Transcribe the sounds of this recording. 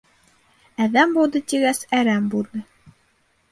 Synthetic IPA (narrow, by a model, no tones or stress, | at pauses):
æðæmbulˠd̪ɤt̪iɡæsæɾæmbulˠd̪ɤ